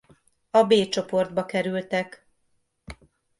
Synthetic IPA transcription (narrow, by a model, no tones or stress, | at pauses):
ɒbeːt͡ʃo̞po̞rd̪̚bɒkɛɾylt̪ɛk